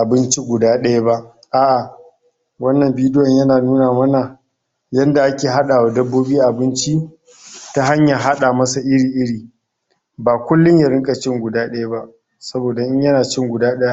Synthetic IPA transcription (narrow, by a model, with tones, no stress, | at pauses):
ʔa˨bɪ˦nt͡ʃi˦ɡʷʊ˨daː˦ɗɐ˦ja˦ba˦ʔ | ʔa˦ʔa˨ | wɐ˦nːɐ˨mbiː˦dɪ˦jɔ˨ɲjɐ˦naː˨nuː˦naː˨mɐ˦na˨ | jɐ˦nda˨ʔa˦kʲeː˨ɦa˦ɗaː˨wa˨dɐ˦bːoː˦biː˦ʔa˨bɪ˦nt͡ʃi˦ | ta˦ɦa˦ɲja˨ɦa˦ɗaː˨mɐ˦sa˨ʔɪ˦ɽiː˨ʔɪ˦ɽiː˨ | baː˨kʷʊ˦lːʊ˦ɲja˨ɾɪ˦ŋkʼa˨t͡ʃɪ˦ŋɡʷʊ˨daː˦ɗɐ˦ja˦ba˦ʔ | sɐ˦boː˨da˨ʔɪ˦ɲjɐ˦naː˨t͡ʃɪ˦ŋɡʷʊ˨daː˦ɗɐ˦ja˦